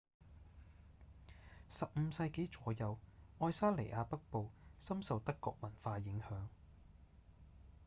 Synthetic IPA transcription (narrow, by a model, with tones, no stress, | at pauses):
sɐ˨p̚m̩˨˧sɐ˧jke˨˥jt͡ʃɔː˨˧jɐ˨˧wɔː˧˥jsaː˥le˨˩jʔaː˧pɐ˥k̚po˨˧wsɐ˥msɐ˨wt̪ɐ˥kːɔ̰ː˧k̚mɐ˨˩nfaː˧jɪ˨˥ŋhœː˨˥ŋ